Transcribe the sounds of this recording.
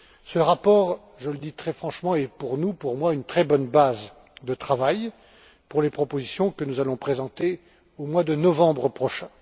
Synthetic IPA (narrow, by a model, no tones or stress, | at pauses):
səʁapɔʁ | ʒələd̪it̪χɛfχɑ̃ʃmɑ̃ɛpuʁnupuʁmwaynt̪χɛbɔnbaz | d̪ət̪χavaj | puʁlepχɔpozisjɔ̃kənuzalɔ̃pχezɑ̃t̪e | omwad̪ənɔvɑ̃bʁəpχɔʃɛ̃